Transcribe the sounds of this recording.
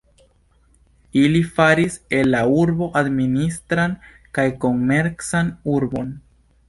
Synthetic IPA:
ilifaɾise̞lːauɾbo̞ʔad̪ministɾan | kajko̞nme̞ɾksanuɾbo̞n

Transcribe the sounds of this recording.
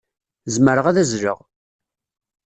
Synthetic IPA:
zməɾəʁæðæzɾə̰ʁ

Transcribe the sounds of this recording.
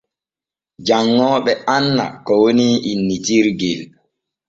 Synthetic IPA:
d͡ʒaŋːɔːɓɛanːa̰kɔwoniʔinːitiɾɡɛl

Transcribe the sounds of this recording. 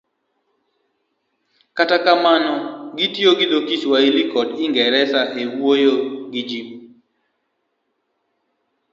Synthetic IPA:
katakamanɔɡitjoɡɪd̪okiswailikɔdɪŋɡɛɾɛsaʔewwojoɡɪd͡ʒim

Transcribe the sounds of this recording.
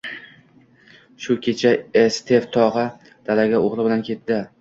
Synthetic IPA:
ʃʊkʲʰe̞t͡ʃʰaest̪ʰeft̪ʰɒʁɨ | d̪̥alaɡʲaoʁlˠɪbɪlankʲʰe̞t̪d̪ɪ

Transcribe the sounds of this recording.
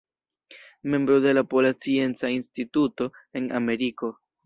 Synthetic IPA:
me̞mbɾo̞de̞lapo̞lat͡sie̞nt͡sainstituto̞e̞na̰me̞ɾiko̞

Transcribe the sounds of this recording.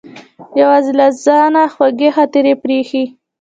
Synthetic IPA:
jawaːzilaszɑnaxwaɡexɑt̪eɾepɾexi

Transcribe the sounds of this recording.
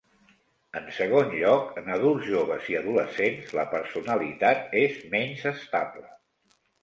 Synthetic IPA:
ənsəɣ̞onʎɔkənəðulˠzʒoβ̞əziəðuləsenzləpəɾsunəlit̪at̪ezmɛnzəst̪aβlə

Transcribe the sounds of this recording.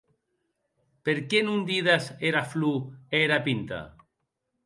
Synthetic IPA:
peɾkenũnd̪iðaseɾaflueɾapint̪a̰

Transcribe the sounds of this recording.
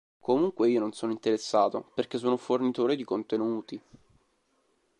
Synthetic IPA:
komuŋkweiːononsoːnoint̪eɾesːaːt̪o̰perkes̬ːoːnofornit̪oːɾed̪ikont̪enuːt̪i

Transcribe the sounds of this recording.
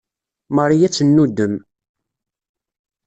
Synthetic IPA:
məɾˤijæt͡sːənːud̪ːəm

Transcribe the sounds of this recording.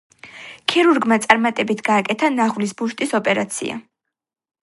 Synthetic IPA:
kʰiɾuɾɡmat̪sʼaɾmat̪ʼɛbit̪ʰɡaːkʼɛt̪ʰanaʁwlisbuʃt̪ʼisɔpʼɛɾat̪sʰḭa̰

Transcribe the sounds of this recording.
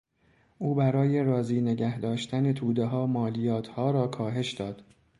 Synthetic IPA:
ʔuːbæɾɒːje̞ɾɒːziːne̞ɟæhd̪ɒːʃt̪ʰæne̞t̪ʰuːd̪eɦɒːmɒːlijɒːt̪ʰhɒːɾɒːkʰɒːɦe̞ʃd̪ɒːd̪̥

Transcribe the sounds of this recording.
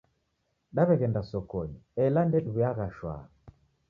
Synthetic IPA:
ɗaβɛɣɛndasɔkɔɲiɛlandɛɗuβɛaɣaʃwa̰

